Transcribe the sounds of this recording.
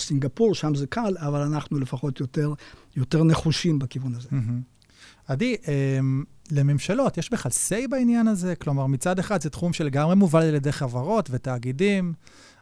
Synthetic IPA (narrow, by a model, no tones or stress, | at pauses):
siŋɡapuʁʃamzekʰalavalanaχnulefaχo̞t̪jot̪eʁ | jo̞t̪e̞ʁne̞χuʃimbakivunazeɦm̩ | adiʔem | le̞me̞mʃalo̞tjeʃbeχalsejbainjanaze̞klo̞maʁmit͡sad̪e̞χad̪zetχumʃelːeɡamʁemuvalaaljed̪e̞jχavaʁo̞tve̞t̪aːɡidim